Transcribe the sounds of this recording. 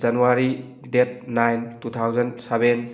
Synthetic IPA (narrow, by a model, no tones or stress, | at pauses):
d͡ʒanuaɾi | dep̚najntutʰawzɐnseben